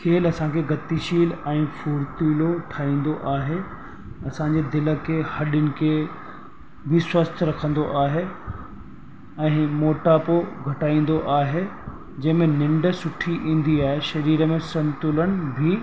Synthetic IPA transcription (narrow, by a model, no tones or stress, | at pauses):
kʰeːlɐsãkʰeɡɐt̪iʃiːlɛ̃ːfuːɾt̪iːloʈʰaːĩːn̆d̪oʔaːɦe | ɐsãːɲd͡ʑed̪ɪlə̆kʰeːhɐɗʊnɪ̆kʰeː | ʋɪswəst̪ʰɾɐkʰə̃nd̪oʔaːɦe | ɛ̃ːmoːʈaːpoɡʱɐʈaːĩːn̆d̪oʔaːɦe | d͡ʑɐ̃ɦɪ̃mẽnɪ̃ɳɖə̆sʊʈʰiʔĩːn̆d̪iaːɦeʃɐɾiːɾəmẽsɐ̃nt̪ʊlənɪ̆bʱɪ